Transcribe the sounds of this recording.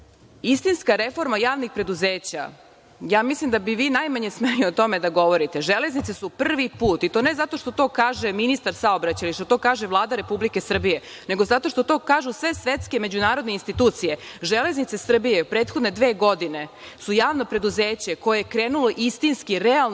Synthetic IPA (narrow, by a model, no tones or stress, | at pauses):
ist̪inskaɾefo̞ɾmajaːʋnixpɾe̞d̪uzeːt͡ɕa̰ | jaːmislimd̪abiʋiːnajmaɲesmeɲiot̪o̞med̪aɡo̞ʋo̞ɾit̪e̞ʒele̞znit̪sesupr̩ʋipuːt̪it̪o̞ːne̞zat̪o̞ʃt̪o̞t̪o̞ːkaːʒeminist̪aɾsaobɾat͡ɕailiʃt̪o̞t̪o̞ːkaːʒeʋlˠaːd̪aɾe̞publike̞sr̩bije̞ | neɡo̞zat̪o̞ʃt̪o̞t̪o̞ːkaːʒusʋe̞sʋet̪ske̞me̞d͡ʑunaːɾo̞d̪neinst̪it̪uːt̪sije̞ʒele̞znit̪se̞sr̩bijepɾeːt̪xod̪ne̞d̪ʋe̞ːɡo̞d̪ine̞ | sujaːʋno̞pɾe̞d̪uzeːt͡ɕeko̞jejekɾeːnulo̞ʔist̪inskiɾeal